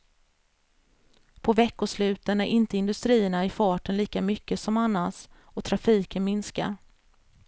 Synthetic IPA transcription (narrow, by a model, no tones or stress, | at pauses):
pʰɔvɛkːʊʂlʉ̟ːt̪ənæɾʔɪnt̪əɪnd̪ɵst̪ɾiːəɳaɪfɑːʈənliːkamʏkːəsɔmanːas | ɔt̪ʰɾafiːkənmɪnska̰ɾ